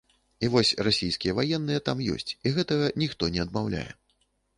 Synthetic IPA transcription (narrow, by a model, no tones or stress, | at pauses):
ivɔsʲrasʲijskʲijɐvajɛnːɨjɛt̪amjɔ̰sʲt͡sʲiɣɛt̪ɐɣɐnʲixt̪ɔnʲɛɐd̪mawlʲa̰jɛ̰